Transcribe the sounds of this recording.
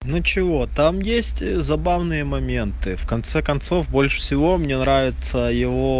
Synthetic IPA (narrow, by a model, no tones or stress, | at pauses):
nut͡ɕɪvo̞t̪amjesʲtʲzɐbavnɨjəmɐmʲe̞nt̪ɨfkɐnt̪sɛkɐnt̪so̞fbo̞lʲʂə̥fsʲɪvo̞mnʲenɾavʲɪt̪səjɪvo̞